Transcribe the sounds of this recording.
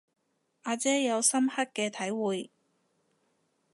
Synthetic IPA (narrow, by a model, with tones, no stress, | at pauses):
ʔaː˧t͡sɛː˥jɐ˨˧wsɐ˥mhɐ˥t̚kɛː˧t̪ʰɐ˨˥jwuː˨j